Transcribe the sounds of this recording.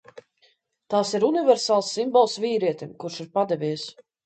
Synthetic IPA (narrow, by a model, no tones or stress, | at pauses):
t̪aːsiɾunivɛɾsaːlˠsːimbɔlˠsviːɾiɛt̪ʲimkuɾʃiɾpad̪ɛvʲiɛs